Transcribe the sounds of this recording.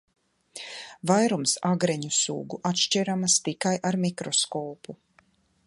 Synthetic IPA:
vajɾumsaɡɾɛɲusṵːɡuʔat̪ʃt͡ʃiɾamast̪ikajʔaɾmikɾɔskɔːpu

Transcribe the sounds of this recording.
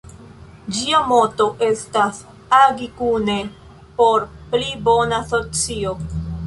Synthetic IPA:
d͡ʒiamo̞to̞ʔe̞stas | aɡikune̞ | po̞ɾplibo̞nasot͡sio̞

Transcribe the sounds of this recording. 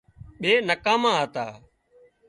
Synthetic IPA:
ɓeːnəkãːmãːt̪aː

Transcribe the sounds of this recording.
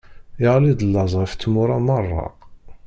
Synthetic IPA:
ɪʁlid̪əlːɑzˤʁəft̪ːmʊɾˤamɑrˤːɑ̰

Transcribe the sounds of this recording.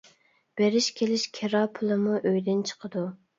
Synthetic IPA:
b̥eɾɪʃkʲʰelɪʃkʲʰeɾɑpʰʊlˠɨmuʔøjd̪ɪnt͡ʃʰə̥qʰəd̪u

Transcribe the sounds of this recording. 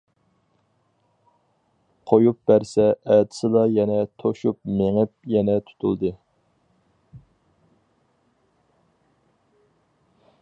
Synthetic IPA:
qʰojup̚bæɾsɛːt̪ʰɪ̥sɨlɑjɛnɛt̪ʰoʃupmeŋɪp̚jɛnɛt̪ʰu̥t̪ʰṵlˠd̪ɨ

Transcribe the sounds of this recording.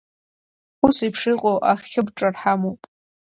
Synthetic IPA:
usipʰʂɨqʼowʔaχʲːɪbʈ͡ʂʼarħamopʼ

